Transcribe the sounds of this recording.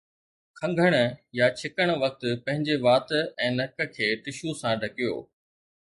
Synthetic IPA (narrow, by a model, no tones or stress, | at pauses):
kʰɐ̃ŋɡʱəɽ̃ə̆jat͡ɕʰɪkəɽ̃̆ʋɐk̚t̪ʊpɐ̃ɦɪ̃ɲd͡ʑeʋaːt̪ɛ̃ːnɐkə̆kʰeːt̪ɪʃusãɖʱɐkijo̰ː